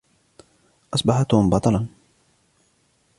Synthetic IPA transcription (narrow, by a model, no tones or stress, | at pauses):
ʔɑsˤbɑħat̪ʊmbɑt̪ˤɑlɑn